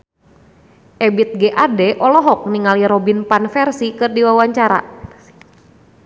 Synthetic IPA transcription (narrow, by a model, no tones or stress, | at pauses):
ʔɛbit̪̚ɡɛʔadɛʔɔlɔɦɔk̚niŋaliɾɔbinpanfɛrsikɨrdiwawaɲt͡ʃaɾa̰